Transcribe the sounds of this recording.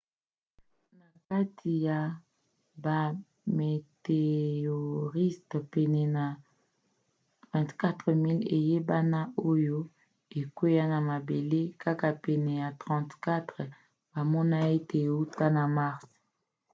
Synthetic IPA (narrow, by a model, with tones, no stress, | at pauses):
na˨ka˦tʰi˨ja˨ | ba˨ | me˨te˨o˨ʁi˦stpɛ˨nɛ˨na˨ | vɛ̃˨tka˦tʁə˨mi˦le˨je˦ba˦na˦o˦jo˦ | e˨ke˦ja˦na˨ma˨be˨le˦ka˦ka˨pɛ˨nɛ˨ja˨tʁɑ̃˨tka˦tʁ | ba˨mɔ˦na˦e˦tʰe˨u˦ta˦na˨ma˦ʁs